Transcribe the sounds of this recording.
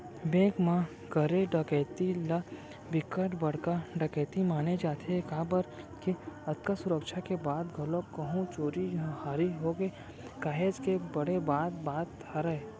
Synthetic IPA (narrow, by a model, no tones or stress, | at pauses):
bẽːkmã | ɡəɾeɖɐkɛːt̪ila | bɪkəʈbɐɽkaɖɐkeːt̪imaːned͡ʒaːt̪ʰekaːbəɾ | kiɐt̪kasʊɾəkʃʰakebaːd̪ɡʱɐlokɐɦũt͡ʃoːɾid͡ʒ̃haːɾiɦoːɡe | kaːɦeːd͡ʒkebɐɽebaːt̪̚baːt̪ʰ | aɾɐe